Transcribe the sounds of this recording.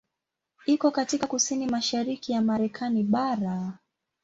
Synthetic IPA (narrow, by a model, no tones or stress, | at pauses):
ikɔkatikakusinimaʃaɾikijamaɾɛkʰaniɓaɾa